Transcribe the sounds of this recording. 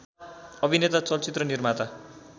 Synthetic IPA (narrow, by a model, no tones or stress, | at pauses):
ʌbʱinet̪at͡sʌlt͡sit̪rʌnirmat̪a